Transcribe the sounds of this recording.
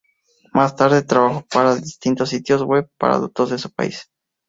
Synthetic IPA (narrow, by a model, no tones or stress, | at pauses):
mast̪aɾðet̪ɾaβaxopaɾaðist̪int̪osːit̪jozweβ̚pa̰ɾa̰ðot̪ozðesu̥pa̰is